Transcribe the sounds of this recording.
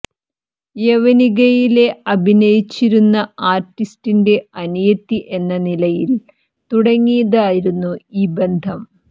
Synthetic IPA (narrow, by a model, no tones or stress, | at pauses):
jeʋɐniɣɐjile̞ɐbʱinɐjit͡ɕːiɾunːɐaːrʈːistinde̞ɐnijɐt̪ːiʔe̞nːɐnilɐjil | t̪uɽɐŋːijɐðaːjiɾunːuiːbend̪ʱɐm